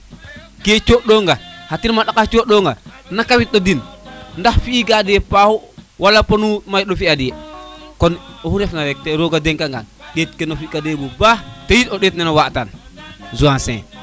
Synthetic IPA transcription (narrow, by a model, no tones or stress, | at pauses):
ket͡ʃoɗoŋɡahatinmaɗakat͡ʃoɗoŋɡa̰nakawit̚ɗodinndaxfiːɡadiepahuwalapanumajɗofiadijekɔnohuɾɛfnaɾɛk̚teɾoɡadeŋkaŋɡa̰nɗeːt̚kenofikadebubahtejitoɗetnɛnowaʔtanzuãsɛ̰̃ː